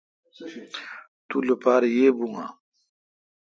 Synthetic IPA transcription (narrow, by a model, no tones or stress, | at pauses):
t̪ulopaːɾjeːbuŋa̰